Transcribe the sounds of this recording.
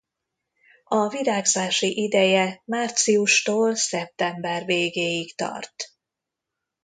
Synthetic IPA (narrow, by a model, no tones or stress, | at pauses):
ɒviɾaːɡzaːʃiʔid̪ɛjɛmaːrt̪siuʃt̪oːlsɛp̚t̪ɛmbɛrveːɡeːjikt̪ɒ̰rt̪